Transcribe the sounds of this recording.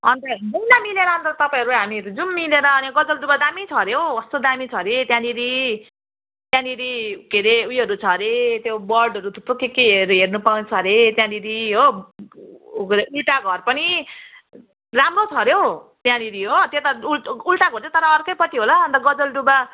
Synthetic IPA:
ʌ̰nt̪ʌbʌjlamileɾʌɦʌnt̪ʌt̪ʌpaĩʌɾuɦamiʌɾud͡zumːileɾʌːniɡʌd͡zʌlɖubad̪amit͡sʰʌɾjowʌst̪od̪amit͡sʰʌɾet̪jãniɾi | t̪jãniɾikeɾeujɦʌɾut͡sʰʌɾet̪jobʌrɖʌɾut̪ʰu̥p̪ukekeɦeɾɦernupaw̃t͡sʰʌɾet̪jãniɾiɦo | ɾeʔulʈaɡʱʌrpʌni | ramrot͡sʰʌɾjowt̪jãniɾiɦot̪et̪aulʈaɡʱʌɾt͡sẽt̪ʌɾʌːrkʌjpʌt̪iɦolʌʌnt̪ʌɡʌd͡zʌlɖuba

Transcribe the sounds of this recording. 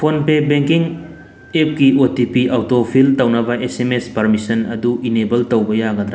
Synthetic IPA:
pʰonpebeŋkiŋ | ep̚kiʔotipiʔawtopʰiltɐwnɐbɐʔesemespɐɾmisɐnɐ̰duinebɐltɐwbɐjaɡɐd̪ɾa

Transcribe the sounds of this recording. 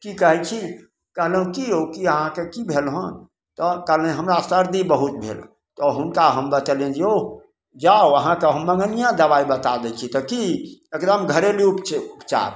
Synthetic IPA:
kikəɦɛt͡ʃʰi | kəɦlɦũkiokiəɦãkekibʱelɦən | t̪ɔkəɦlɦəmɾasəɾd̪ibəɦut̪̚bʱḛl | t̪ɔɦunkaɦəmbət̪əlẽnd͡ʒeo | d͡ʒaoəɦãkeɦəmːəŋɡənijãd̪əʋaibət̪ad̪ɛt͡ʃʰit̪ɔkiekd̪əmɡʱəɾeliupt͡ʃupt͡ʃa̰ɾ

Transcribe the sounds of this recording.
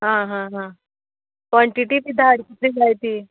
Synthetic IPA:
ɦãɦãɦã | kʋaɳʈiʈiːpid̪ʱːaːɽkit̪ɾiːɡajt̪iː

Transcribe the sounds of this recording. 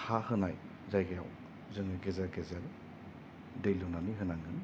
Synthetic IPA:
hahɯnaj | zajɡaja̰w | zɯŋɯɡezeɾɡezeɾ | dejlunaniɦɯnaŋɯn

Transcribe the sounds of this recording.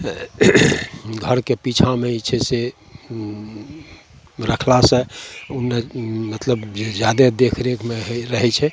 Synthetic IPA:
ɡʱəɾkepit͡ʃʰameit͡ʃʰɛse | ɾəkʰlasə̃unːemət̪ləbd͡ʒjad̪ed̪ekʰɾekʰmeɦɾəɦɛt͡ʃʰɛ

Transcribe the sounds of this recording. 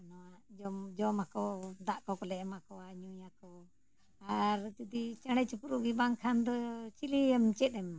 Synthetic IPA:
nɔwad͡ʒɔmd͡ʒɔmakɔd̪aʔkɔkɔlɛmakɔaɲujakɔ | aɾt̪ud̪it͡ʃəɽɛt͡ʃəpuɾuʔɡibaŋkʰand̪ɔt͡ʃiliɛmt͡ʃɛt̪ɛm

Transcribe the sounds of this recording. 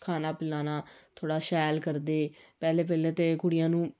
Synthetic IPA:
kʰaːnaːpɪlaːnaːt̪ʰoːɽaːʃɛːlkəɾd̪eːpɛːleːp̬ɛːlẽːt̪eːkʊɽɪjãːnũː

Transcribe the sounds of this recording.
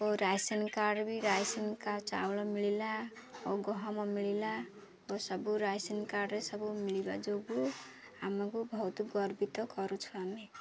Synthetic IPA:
oɾajsenkaɖbiɾajsenkat͡ʃa̰wlɔmiɭilaoɡɔɦɔmɔmiɭila | osɔbuɾajsenkaɖɾesɔbumiɭiba̰d͡ʒoɡu | amakubʱɔut̪iɡɔɾbit̪ɔkɔɾut͡ʃʰuami

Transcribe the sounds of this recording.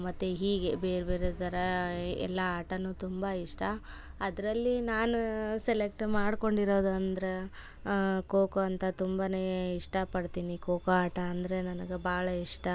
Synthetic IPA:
mɐt̪ːuɦiːɡe̞be̞ːɾbeːɾet̪ɐɾɐɛ̰lːɐaːʈɐnuːt̪umbɐiʂʈɐ | ɐd̪ɐɾɐlːinaːnuselek̚ʈmaːɽko̞ɳɖiɾo̞ːd̪uɐnd̪ɐɾe | koːkoɐnt̪ɐt̪umbaneːiʂʈɐpɐɽt̪iːnikoːkɐaːʈɐːnd̪ɾe̞nɐnɐɡebaːɭɐiʂʈɐ

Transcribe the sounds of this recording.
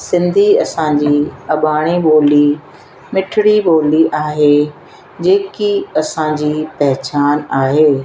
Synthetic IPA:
sɪ̃nd̪ʱiɐsãd͡ʑiːɐɓaːɽ̃iɓoːli | mɪʈʰɪɽiɓoːliʔaːɦe | d͡ʑeːkiɐsãd͡ʑiːpɐɦɪt͡ɕaːnaːɦeː

